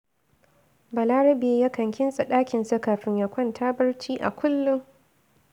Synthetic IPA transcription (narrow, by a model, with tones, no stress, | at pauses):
bɐ˨laː˦ɾɐ˦beː˨˦jaː˦kɐ˨ŋkʲɪ˦nsʼɐ˨ɗaː˦kʲɪ˨nsa˦kaː˨ɸɪ˦ɲja˨kʷɐ˦ntʰaː˦bɐ˦rt͡ʃiː˦ʔa̰˨kʷʰʊ˦lːʊ˦ŋ